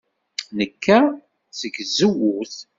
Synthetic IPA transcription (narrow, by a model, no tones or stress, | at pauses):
nəkːæ | səɡzəwʊθ